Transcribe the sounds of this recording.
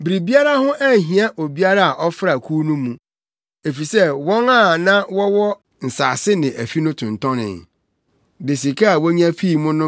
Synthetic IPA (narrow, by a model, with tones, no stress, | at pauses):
bɾi˨bi˦a˦ɾa˦hʊ̃˦ʔæ˦˨ɦĩ˨a˦ʔo˨bi˦a˦ɾa˦a˨ʔɔ˦fɾa˨kʰuː˦nũ˦mũ˨˦ | e˨fi˨sɛ˦wɔ̃˦ŋa˦˨nã˦wɔ˦wɔ˦ | n̩˨sa̰ː˨sɪ˦nɪ̃˨ʔæ˨fi˦nʊ̃˦tʰʊ̃˨n̩˨tʰɔ̃˦nɪ̰̃˨n | de˨s̬i˨kʰa˦a˨wɔ˦ɲ˦ã˦fiː˦˨mʊ̃˦nʊ̃˦